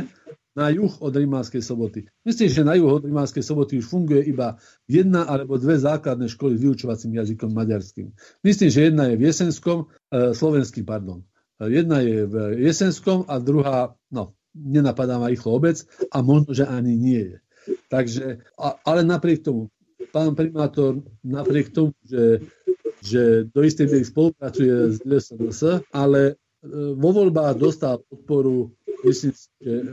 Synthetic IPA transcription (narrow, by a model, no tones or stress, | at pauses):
najuxɔd̪ɾimaːnskɛjslɔbɔt̪imisliːmʒɛnajuɣɔd̪ɾimaːnskɛjslɔbɔt̪iuʃfuŋɡujɛiba | jɛd̪̚naʔalɛbɔd̪ʋɛzaːklad̪̚nɛʃkɔlizʋiut͡ʃɔʋat͡simjazikɔmːaɟaɾskḭːm | misliːmʒɛjɛd̪najɛvjɛsɛnskɔm | slɔʋɛnskiːmpaɾd̪ɔn | jɛd̪najɛvjɛsɛnskɔmad̪ɾuɦaː | nɔ | ɲɛnapad̪aːmaixlɔɔbɛt͡samɔʒnɔʒɛʔaɲiɲɪɛjɛ | t̪aɡʒɛalɛnapɾɪɛk̚t̪ɔmu | paːnpɾimaːt̪ɔɾnapɾɪɛkt̪ɔmuʒɛ | ʒɛd̪ɔist̪ɛjmɛɾispɔlupɾat͡sujɛzɛsɛnəsəalɛ | ʋɔʋɔʎbaːɣd̪ɔst̪alp̚ɔt̪̚pɔɾumisliːmsiʒɛ